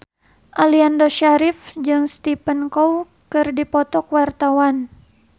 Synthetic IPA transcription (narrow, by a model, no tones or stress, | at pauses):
ʔaliandɔʃaɾifd͡ʒɨŋst̪ipənkɔw | kɨrdipɔt̪ɔkwart̪awan